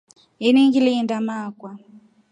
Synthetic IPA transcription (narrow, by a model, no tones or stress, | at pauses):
iniŋɡilindamakwa